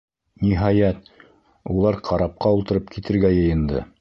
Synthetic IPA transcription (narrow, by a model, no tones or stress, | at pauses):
niɦɑjæt̪̚ | ulˠɑɾqʰɑɾɑp̚qɑulˠt̪ɤ̆ɾɤpkit̪ɘ̆ɾɡæjɤ̆jɤ̆nd̪ɤ̰